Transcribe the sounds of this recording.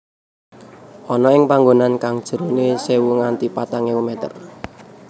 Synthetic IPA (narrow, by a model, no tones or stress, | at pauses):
ʔɔnɔɪŋpaŋɡonankaŋd̥ʒ̥ə̤ɾonesewuŋant̪ipat̪aŋeumɛt̪ə̰r